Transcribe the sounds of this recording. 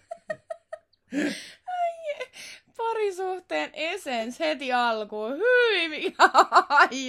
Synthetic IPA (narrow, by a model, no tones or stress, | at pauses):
ɑj | pɑɾisuht̪eːnʔesenshet̪iɑlkoːhyiʋiɑɑj